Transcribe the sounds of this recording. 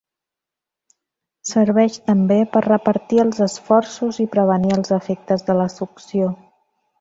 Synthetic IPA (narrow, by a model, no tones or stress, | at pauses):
səɾβɛʃt̪əmbepərrəpəɾt̪iəlˠzəsfɔrsuzipɾəβ̞əniəlˠzəfɛk̚t̪əzðələsuksio